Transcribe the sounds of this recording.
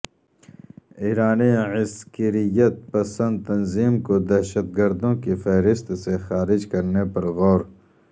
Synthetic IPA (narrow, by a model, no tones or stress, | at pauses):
iːɾaːnĩʕɪskəɾijɐt̪̚pɐsə̃nd̪̚t̪ɐnziːmkod̪ɐːʃəd̪̚ɡɐɾd̪õkifɐɦɾɪst̪sexaːɾɪd͡ʒkɐɾnepɐɾɣoːɾ